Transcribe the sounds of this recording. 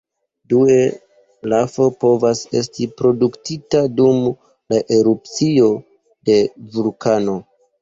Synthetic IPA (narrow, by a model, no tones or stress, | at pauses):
due | lafo̞po̞vase̞̰s̬tipɾo̞duktitadum | laʔe̞ɾup̚t͡sio̞ | de̞vulkano̞